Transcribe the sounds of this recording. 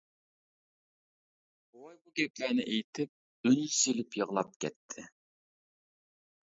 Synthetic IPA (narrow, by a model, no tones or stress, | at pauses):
wɑjbuɡʲɛplænɪʔejt̪ʰɪp̚ | ynselɪpjəʁlˠɑp̚kʲʰɛ̰t̪ʰːɪ